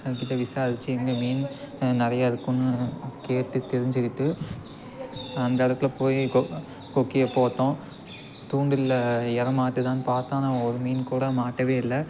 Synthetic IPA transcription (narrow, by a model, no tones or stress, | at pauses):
ɐkːɪt̪ːɐʋɪsaːsɪt͡ʃːɯɛŋɡɐmiːn | nɐɾɐjaːɪðɯkːʊnːɯkeːʈːɯt̪ɛɾɪɲd͡ʒɯkɪʈːɯ | ɐnd̪ɐɐɽɐt̪ːɪlpoːji | kɔkːɪjɐpoːt̪ːõː | t̪uːɳɖɪlɛɾɐmaːʈːɯt̪ãːnpaːɾt̪ãːnãːɔɾɯmiːnkuːɽɐmaːʈːɐʋeːɪlːɐ